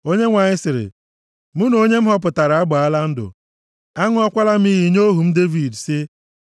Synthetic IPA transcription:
o˦ɲe˦ŋʷa˨ɲɪ˦sɪ˨ɾɪ̰˨ | mʊ˦no˦ɲe˦m̩˦ɦɔ˦p̬ʊ˨ta˨ɾa˨a˦ɡ͡ba˨a˦la˦n̩˦dʊ̰˨ | a˦ŋʊ˦ɔ˦kʷa˦la˦m̩˦i˦ɦi˦ɲo˦ɦu˨m̩˦de˦vi˨dsɪ˦

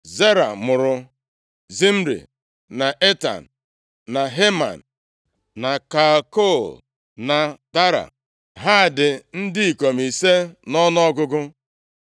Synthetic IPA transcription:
ze˦ɾa̰˨mʊ˨ɾʊ˨ | zi˦m̩˦ɾḭ˨ | na˨ʔe˦ta̰˨n̩˨ | na˨ɦe˦ma̰˨n̩˨ | na˨ka˨ko˦˨l | na˨ta˦ɾa̰˨ | ɦa˦˨dɪ˨n̩˦dɪ˦i˨ko˨mi˨se˦nɔ˦n˦ɔ˦ɡʊ˦ɡʊ˦

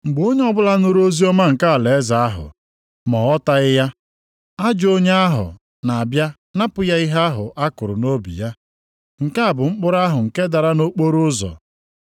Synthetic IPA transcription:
ŋ͡m̩˨ɡ͡bo˦ɲe˦ɔ˦bʊ˦la˦no˦ɾo˦zi˦ɔ˦ma˦ŋ̩˨ka˦a˨le˨e˦za˨a˦ɦʊ̰˨ | mɔ˨ɔ˦ta˦ɪ˦ja˦ | a˦d͡ʒo˦ɲe˦a˦ɦʊ̰˨ | na˨a˨bja˦ | na˦pʊ˦ja˦i˦ɦa˦ɦʊ̰˨ʔa˦kʊ˨ɾʊ˨no˦bḭ˨ja˦ | ŋ̩˨ka˦a˨bʊ˨ŋ͡m̩˦k͡pʊ˦ɾa˦ɦʊ˨ŋ̩˨ke˦da˨ɾa˦no˦k͡po˦ɾʊ˦zɔ̰˨

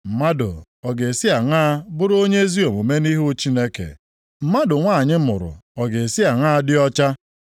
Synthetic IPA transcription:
m̩˨ma˦dʊ̰˨ | ɔ˨ɡe˨si˦a˨ŋaː˦bʊ˦ɾo˦ɲe˦zi˦o˨mo˨me˦ni˦ɦu˦t͡ʃi˦ne˦kḛ˨ | m̩˦ma˦dʊ˨ŋʷa˦˨ɲɪ˦mʊ̰˨ɾʊ̰˨ɔ˨ɡe˨e˨si˦a˨ŋa˦dɪ˦ɔ˦t͡ʃa˦

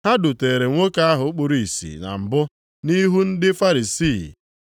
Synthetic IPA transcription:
ha˦dʊ˨te˨ɾe˨ŋʷo˦ka˦a˦ɦʊ˨˦k͡pʊ˨ɾi˨sḭ˨na̰˨m̩˨bʊ˦ | ni˦ɦu˦n̩˦dɪ˦fa˦ɾi˨siː˦˨

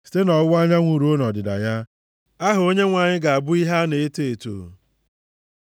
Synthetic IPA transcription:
si̥˦te˦nɔ˨˦ʊ˦a˦ɲa˦ŋʷu˨ɾu˨˦o˦nɔ˨dɪ˨da̰˨ja˦ | a˦ɦʊ˨o˦ɲe˦ŋʷa˨ɲɪ˦ɡa˨a˨bʊ˦i˦ɦa˦ne˨e˦te˨to̰ː˨

